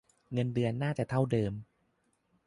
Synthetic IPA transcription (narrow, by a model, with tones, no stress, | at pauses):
ŋɤ˧ndɯ˧ənːaː˥˩t͡ɕɛː˨˩t̪ʰa˥˩wdɤː˧m